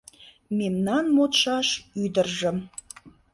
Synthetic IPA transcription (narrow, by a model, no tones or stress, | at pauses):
memnɑnmot̪ʃɑʃyd̪ərʒəm